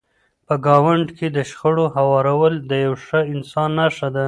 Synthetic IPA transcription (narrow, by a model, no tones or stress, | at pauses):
pəɡɑwaɳɖkʰed̪əʃxəɽohawɑɾawəld̪əjawʂəɪnsɑnːaʂad̪a